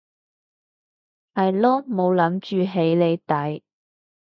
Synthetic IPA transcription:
hɐ˨˩jlɔː˥mo˨˧wlɐ˨˥mt͡ʃyː˨ɦe˨˥jle˨˧jt̪ɐ˨˥j

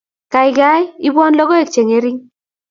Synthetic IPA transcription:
ka˨ɪ˨ɡa˦ji˦bwɔ˦nlɔ˦ɡɔ˦e˦˨k̚t͡ʃe˨ŋe˦ɾi˦ŋ

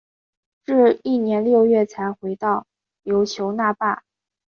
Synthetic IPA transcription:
ʈ͡ʂɻ̩˥˧i˥˩njɛ˧˥nljo˥˧ʊɥɛ˥˩t͡sʰa˧˥ɪxwe˧˥ɪt̪ɑ˥˩ʊ | jo˧˥ʊt͡ɕʰjo˧˥ʊna˥˧pa̰˥˩

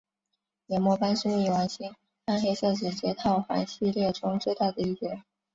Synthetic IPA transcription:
jɛ˨˧˩mwɔ˥˧pa˥nʂu˥i˥˩wa˧˥nɕi˥ŋ | a˥nxe˥ɪʂɤ˥˩ʈ͡ʂɻ̩˨˩t͡ɕjɛ˧˥t̪ʰɑ˥˩ʊxa̰˧˥nɕi˥˧ljɛ˥˩ʈ͡ʂʊ˥ŋt͡swe˥˧ɪt̪a˥˩d̪ə˩i˥˩t͡ɕɛ˧˥

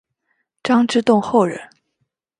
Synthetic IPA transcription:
ʈ͡ʂɑ˥ŋʈ͡ʂɻ̩˥t̪ʊ˥˧ŋxo˥˩ʊɻə̰˧˥˦n

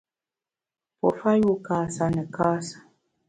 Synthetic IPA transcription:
pɔ̰˨fa˦ju˦˨kaː˨sa˨nɛ˨kaː˦sḁ˨

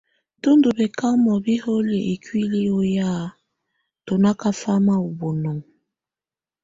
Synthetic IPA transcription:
to˦ndu˨be˨ka˦mɔ˨bi˦ho˦lje˨ʔe˨kwi˦li˦o˦ja˦ | to˨na˦ka˦fa˦ma˦o˨bo˨nɔ˨ŋ

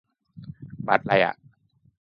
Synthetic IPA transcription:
ba̰˨˩t̪̚la˧jʔa̰˧˨ʔ

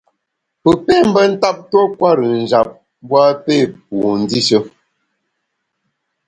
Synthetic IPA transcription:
pə˨pe˦˨m̩˦bə˦n̩˦ta˦p̚to˦kwa˦ɾə˨n̩˨d͡ʒa˨p̚ | bwa˦pe˦˨p̚u˨n̩˦di˦ʃə˦

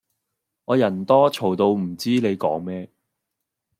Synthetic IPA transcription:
ŋɔː˨˧jɐ˨˩nt̪ɔː˥t͡ʃʰo˨˩wt̪o˧wm̩˨˩t͡siː˥ne˨˧jkɔː˨˥ŋmɛː˥

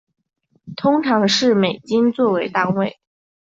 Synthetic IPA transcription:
t̪ʰʊ˥ŋʈ͡ʂʰɑ˧˥ŋʂɻ̩˥˩me˨˩ɪt͡ɕi˥nt͡swɔ˥˩we˧˥ɪt̪a˥nwe˥˩ɪ

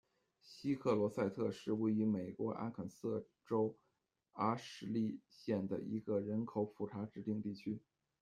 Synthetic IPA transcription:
ɕi˥kʰɤ˥˩lwɔ˧˥sa˥˧ɪt̪ʰɤ˥˧ʂɻ̩˥˩we˥ɪy˧˥me˨˩ɪkwɔ˧˥ʔa̰˥nkʰə˨˩nsɤ˥˩ | ʈ͡ʂo˥ʊ | a˥ʂɻ̩˧˥li˥˧ɕjɛ˥˩nd̪ə̰˩ḭ˧˥ɡə˧ɻə˧˥nkʰo˨˧˥ʊfu˨˩ʈ͡ʂʰa˧˥ʈ͡ʂɻ̩˥˧t̪i˥˧ŋt̪i˥˩t͡ɕʰy˥

